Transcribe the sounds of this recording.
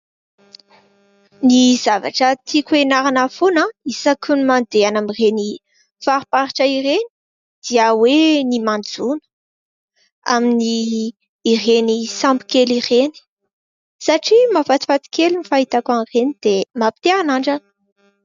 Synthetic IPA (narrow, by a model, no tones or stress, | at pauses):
niz̥ava̰ʈ͡ʂət̪ʰikʲuenaɾanafonəisakunimand̪eanamireni | faɾipaɾiʈ͡ʂəireni̥ | d̪̥iəwenimand͡zunə̥ | a̰miniː | renisambi̥kelireni̥ | saʈ͡ʂimafat̪i̥fat̪i̥kelinifaɦit̪akanrenid̪emapi̥t̪eɾanaɳɖ͡ʐan